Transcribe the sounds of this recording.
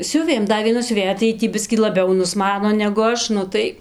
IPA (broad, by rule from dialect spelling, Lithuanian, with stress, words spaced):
ˈsʲʊʋʲeːm ˈdɐ ʋʲiɛˈnɐ sʲʊˈʋʲeːjɛ tɐɪ ˈjiː tʲiː ˈbʲɪsʲkʲiː lˠɐˈbʲɛʊ nʊsˈmɑːnoː nʲɛɡʊ ˈɐʃ ˈnʊ tɐɪ